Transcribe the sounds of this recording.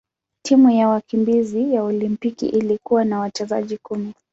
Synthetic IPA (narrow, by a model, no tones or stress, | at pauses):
tʰimujawakimbizijaɔlimpikḭʔilikuwanawat͡ʃɛza̰ʄikumi